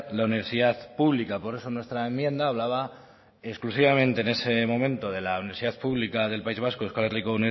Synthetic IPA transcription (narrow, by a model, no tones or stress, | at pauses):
launiβe̞ɾsiðaθpuβlikapo̞ɾe̞so̞nwe̞st̪ɾaemjẽ̞nd̪aːβlaβa | esklusiβamẽnt̪e̞ːne̞se̞mõ̞mẽ̞nt̪o̞ðe̞launiβɾsiðaθpuβlikaðe̞lpaizβ̞askoekwalerikouni